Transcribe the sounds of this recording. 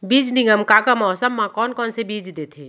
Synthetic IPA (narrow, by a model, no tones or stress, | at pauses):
biːd͡ʒnĩŋɡəmkakamɔːsəmːãkɔːnkɔːnsebid͡ʒd̪et̪ʰe